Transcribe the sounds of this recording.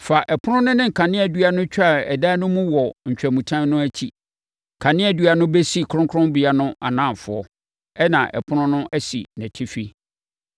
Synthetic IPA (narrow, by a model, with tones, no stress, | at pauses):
fa˨ʔɛ˨pʰʊ˦nʊ̃˦nʊ̃˦nɪ̃˦ŋ̩˨kʰã˨nɪ̃˦æ˨dɥa˦nʊ̃˦t͡ɕᶣa˦˨ɛ˨da˦nʊ̃˦mũ˦wɔ˨ɲ̩˨t͡ɕᶣæ˨mũ˨tʰã˦nnʊ̃˦æ˦t͡ɕʰi˦˨ | kʰã˨nɪ̃˦æ˨dɥa˨nʊ̃˦be˦si˦˨kʰʊ̃˦ŋkʰʊ˦ɾʊ̃˦mbi˨a˦nʊ̃˦ʔa̰˨nã˦˨fʊ̰˨˦ɔ˦ | ɛ˦nã̰˨ʔɛ̰˨pʰʊ˦nʊ̃˦nʊ̃˦ʔæ˦sḭ˨næ̃˨tʰɪ˦fi˦